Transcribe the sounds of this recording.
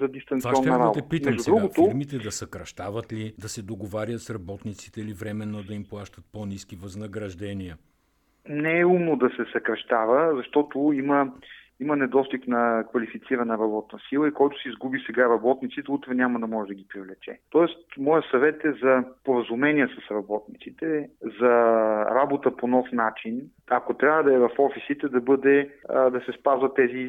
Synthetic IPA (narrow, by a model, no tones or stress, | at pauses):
zɐd̪ist̪ɐnvaiɔnɛːɐmalˠt̪ɛpitmmɛʒʒusdɛɾuɡʊfoɾmit̪ɛd̪ɐsɐkɾɐʃt̪avɐt̪lid̪ɐsɛd̪oɡovaɾʲjət̪sɾɐbɔt̪nit̪si̥t̪ɛilivɾɛmɛnːod̪ɐimplˠaʃt̪ət̪̚poniskivɐznɐɡɾɐʒd̪ɛniə | nɛɛumnod̪ɐsɛsɐkɾɐʃt̪avəzɐʃt̪ɔt̪ʊimə | imɐnɛd̪ɔst̪iknɐkvɐlifit̪siɾɐnəɾɐbɔt̪nəsilˠəikɔjt̪ʊ̥sɛizɡubisɛɡaɾɐbɔt̪nit̪sit̪ɛut̪ɾɛnʲamɐd̪ɐmɔʒɛd̪ɐɡʲipɾivlɛt͡ʃɛ̰t̪ɔɛst̪mɔjəsɐvɛt̪ɛzɐpoɾəzumɛnʲiəsɐsɾɐbɔt̪nit̪sit̪ɛzɐɾabot̪əponɔfnat͡ʃin | ɐkot̪ɾʲjavəd̪ɐɛvɐfɔfisit̪ɛd̪ɐbɤd̪ɛd̪ɐsɛspazvɐt̪ːɛzi